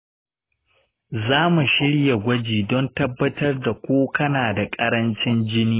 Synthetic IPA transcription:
zaː˦mu˨ʃɪ˦ɽja˨ɡʷɐ˦d͡ʒiː˨dɔ˦ntɐ˦bːɐ˦tɐ˦rda˨kʷoː˦kɐ˦naː˨da˨kʼɐ˦ɾɐ˦nt͡ʃɪ˦nd͡ʒɪ˦niː˦

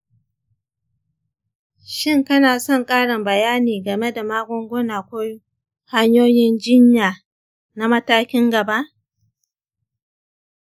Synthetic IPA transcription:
ʃɪ˦ŋkɐ˦naː˨sɔ˦˨ŋkʼaː˦ɽɪ˨mbɐ˨jaː˦niː˨ɡɐ˨me˦da˨maː˦ɡʷɔ˦ŋɡʷo˦naː˨kʷo˦j | ha˦ɲjoː˦jɪ˦nd͡ʒɪ˦ɲjaː˨ | na˦mɐ˦taː˦kʲɪ˦ŋɡɐ˨ba˦ʔ

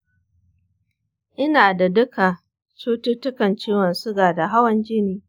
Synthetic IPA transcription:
ʔɪ˦naː˨da˨dʊ˦ka˨ | t͡ʃuː˦tʊ˦tʊ˦kɐ˨nt͡ʃiː˦wɐ˨nsʊ˦ɡaː˨da˨ɦa˦wɐ˦nd͡ʒɪ˦niː˨

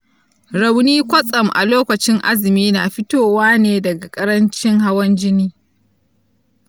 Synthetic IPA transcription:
ɾa˨wniː˦kʷɐ˦sʼɐ˨mʔa̰˨loː˦kʷɐ˨t͡ʃɪ˦ŋʔa˦zɪ˨miː˦na̰ː˨ɸɪ˦toː˦˨waː˦neː˨dɐ˨ɡa˨kʼɐ˦ɾɐ˦nt͡ʃɪ˦ŋɦa˦wɐ˦nd͡ʒɪ˦niː˦

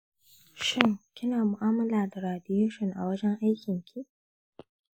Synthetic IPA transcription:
ʃɪ˦ŋkʲɪ˦naː˨mʊ˨ʔaː˦mɐ˦laː˨da˨ɾaː˨dɪ˦juː˦ʃɪ˨ŋʔa̰˨wɐ˦d͡ʒɛ˦ŋʔa˦jkʲɪ˨ŋkʲʰi˦ʔ

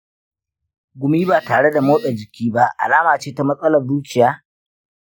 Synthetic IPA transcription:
ɡʷʊ˨miː˦baː˨taː˨ɽe˦da˨moː˦ɗɛ˨d͡ʒɪ˨kʲiː˦ba˦a̰˨laː˦maː˨t͡ʃeː˦ta˦mɐ˦sʼɐ˦lɐ˨rzuː˦t͡ʃɪ˨jaː˦

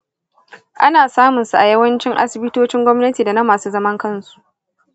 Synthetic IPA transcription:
ʔa˦naː˨saː˦mʊ˨nsu˨ʔa˨jɐ˦wɐ˦nt͡ʃɪ˦ŋʔa̰˦sɪ˨bɪ˦toː˦t͡ʃɪ˦ŋɡʷɔ˦mnɐ˦tiː˨da˨na˦maː˨suː˦zɐ˦mɐ˦ŋkɐ˦nsu̥˨ʔ

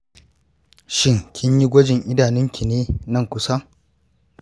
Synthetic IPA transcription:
ʃɪ˦ŋkʲʰɪ˦ɲji˦ɡʷɐ˦d͡ʒɪ˨ŋʔɪ˦daː˨nɪ˦ŋkʲʰi˨neː˦nɐ˦ŋkʷʊ˦sa˦

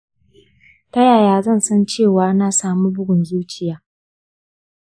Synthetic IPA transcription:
tɐ˦jaː˨jaː˦zɐ˦˨nsɐ˦nt͡ʃeː˦˨waː˨naː˨saː˦mu˦bʊ˦ɡʷʊ˨nzuː˦t͡ʃɪ˦jaː˨˦

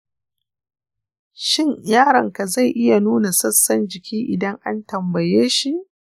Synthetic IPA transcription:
ʃɪ˦ɲjaː˦ɽɐ̰˨ŋka˨za˦˨jʔɪ˦ja˨nuː˦na˨sɐ˦sːɐ˦nd͡ʒɪ˨kʲiː˦ʔɪ˨dɐ˦ŋʔa̰˦ntɐ˨mbɐ˨jeː˦ʃi˨ʔ

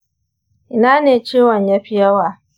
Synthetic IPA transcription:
ʔɪ˦na˦neː˨t͡ʃeː˦˨wa˨ɲja˦ɸi˦ja˦waː˦˨

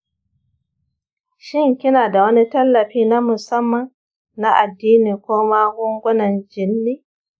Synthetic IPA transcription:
ʃɪ˦ŋkʲɪ˦naː˨da˨wɐ˦ni˦tɐ˦lːɐ˨ɸiː˦na˦mʊ˨sɐ˦mːɐ˨nː | a˦ʔa˨dːiː˦niː˨kʷoː˦ma˦ɡʷʊ˦ŋɡʷʊ˦nɐ˨nd͡ʒɪ˨nːiː˦

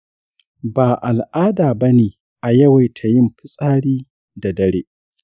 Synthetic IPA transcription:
baː˨ʔa˨lʔaː˦daː˨bɐ˦neː˨ | ʔa˨jɐ˦wa˨jtʰa˨jɪ˦mɸɪ˦sʼaː˦ɽiː˦ | da˨dɐ˦ɽeː˦ʔ

